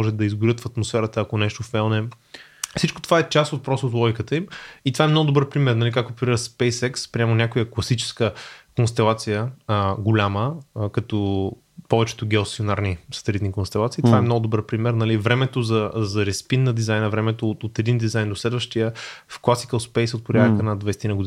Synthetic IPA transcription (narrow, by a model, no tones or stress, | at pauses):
ɔʒɛd̪ɐizɡʊɾʲət̪fɐt̪mosfɛɾət̪əːkonɛʃt̪ofɛlˠnɛ | fsit͡ʃkot̪o̥vaɛt͡ʃast̪ot̪̚pɾɔst̪oːt̪̬lˠɔɡikət̪əimit̪ovaɛmnɔɡʊd̪obəɾpɾimɛɾnɐlikak̚t̪opɛɾiɾəspɛjsɛkspɾiɛmɐnʲakojəklˠɐsit͡ʃɛ̥skəkonst̪ɛlˠat̪sijəɡolʲaməkɐt̪ɔ | pɔvɛt͡ʃɛ̥t̪oɡʲɛlˠst̪ionaɾnisɐ̥t̪ɛlit̪nikonst̪ɛlˠat̪siːt̪ovaɛmnɔɡʊd̪obɾəɾpɾimɛɾnɐlivɾɛmɛt̪ozɐzɐɾɛspinnɐd̪izajnəvɾɛmɛt̪oot̪ɛd̪ind̪izajnd̪oslɛd̪vəʃt̪ijəfklˠasi̥kəlˠspɛjsot̪̚poɾʲjad̪əkənad̪vɛjst̪inəɡʊd̪i